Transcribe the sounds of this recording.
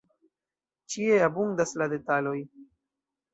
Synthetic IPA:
t͡ʃie̞abundaslade̞talo̞j

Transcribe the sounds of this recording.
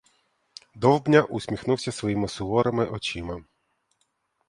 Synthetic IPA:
d̪ɔwbnʲaʔʊsʲmʲixnuwsʲɐsʋɔjimɪsʊɦɔɾɐmɪʔɔt͡ʃimɐ

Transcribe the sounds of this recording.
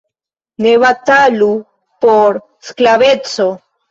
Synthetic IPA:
neβat̪alu | poɾ | sklaβet͡so

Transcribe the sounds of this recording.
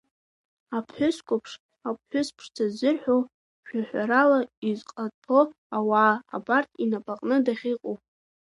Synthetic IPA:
apʰħʷᶣʊskʷʰʼʊpʰʂ | apʰħʷʊspʰʂt͡sʰazɨrħʷᶣo | ʃʲᶣaħʷᶣaɾalaizqʼatʰo | awa̰ːbartʼinapʼaqʼnɨdaχʲiqʼowpʼ

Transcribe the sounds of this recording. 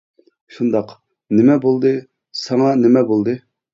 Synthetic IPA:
ʃund̪ɑq | nɪmɛbolˠd̪ɨ | sɑŋɑnɪmɛbolˠd̪ɨ

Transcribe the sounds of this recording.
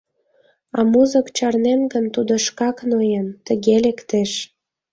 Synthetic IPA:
ɑmuzə̆kt͡ɕɑrnenɡənt̪ud̪ŏʃkɑknojent̪ə̆ɣelekt̪eʃ

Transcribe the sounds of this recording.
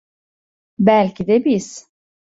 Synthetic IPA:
bælʲcʰid̪ɛbiz̥

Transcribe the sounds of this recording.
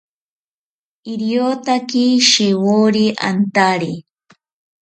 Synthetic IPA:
ɪɾjot̪akiʃewoɾiʔa̰nt̪aɾi

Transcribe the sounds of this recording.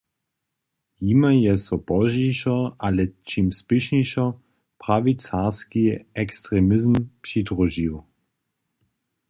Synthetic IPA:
jimajɛsɔbɔʒɛʃɔalɛt͡ʃimspɪʃɲɛʃɔ | pʁavit͡saskiɛkst̪ʁɛmɪzmpʂid̪ʁɔʒiw

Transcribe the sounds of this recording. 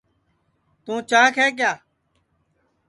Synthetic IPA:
t̪ũːt͡ʃaːkʰɛːk̬jaː

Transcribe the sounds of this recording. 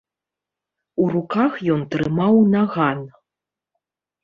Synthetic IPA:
urukaxjɔnt̪ɾɨmawnaɣan

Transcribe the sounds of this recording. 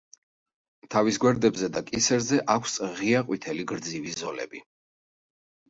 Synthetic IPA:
t̪ʰavisɡwɛɾd̪ɛbzɛd̪akʼisɛɾzɛʔakʷʰsʁiaqʼwit̪ʰɛliɡɾd̪zivizɔlɛ̰bi

